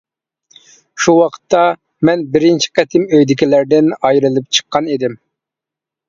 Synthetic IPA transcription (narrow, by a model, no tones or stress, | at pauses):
ʃuwɑqʰə̥t̪ʰːɑ | mɛnbɪɾɪnt͡ʃʰi̥qɛt̪ʰɪmøjd̪ɪkʲilæɾd̪ɪnɑjɾɨlˠɨp̚t͡ʃʰə̥qːɑnid̪ɪm